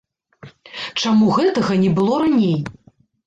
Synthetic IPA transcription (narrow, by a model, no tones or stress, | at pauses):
t͡ʂamuɣɛt̪ɐɣɐnʲɛbɨlˠɔɾanʲej